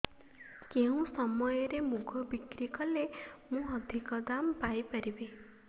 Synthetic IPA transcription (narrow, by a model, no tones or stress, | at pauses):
keũsɔmɔjɔɾemuɡʱɔbikɾikɔlemũɔd̪ʱikɔd̪ampajpaɾibe